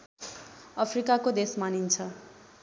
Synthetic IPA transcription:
ʌpʰrikakod̪esmanint͡sʰʌ

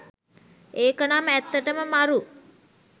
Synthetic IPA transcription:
eːkənamæt̪ːəʈəməmaɾu

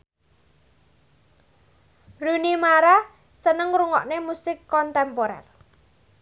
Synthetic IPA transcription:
runimaɾa | sənəŋɾuŋɔ̰ʔnemusɪkːɔnt̪ɛmpoɾɛ̰r

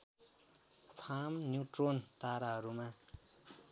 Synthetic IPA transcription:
pʰamnjutront̪aɾaɾuma

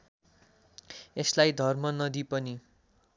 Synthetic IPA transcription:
eslajd̪ʱʌrmʌnʌd̪ipʌni

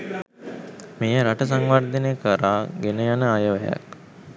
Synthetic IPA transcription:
mejəɾaʈəs̬aŋʋard̪ənekəɾaːɡenəjanəajəʋɐja̰k

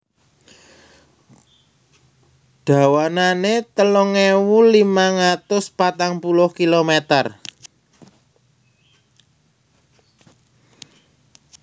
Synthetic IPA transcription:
ɖ̥a̤wananet̪əlɔŋewulimaŋat̪ʊspat̪aŋpulʊhkilomet̪ər

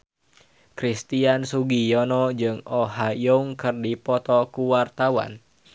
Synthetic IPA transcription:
kɾist̪iansuɡijɔnɔd͡ʒɨŋɔɦajuŋkɨrdipɔt̪ɔkuwart̪awa̰n

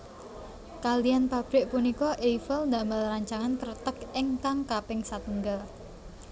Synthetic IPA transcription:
kalijanpab̥ɾɪʔpunikɔʔejfəlnd̪aməlraɲt͡ʃaŋank̪ərt̪əkeŋkaŋkapɪŋsat̪əŋɡəl

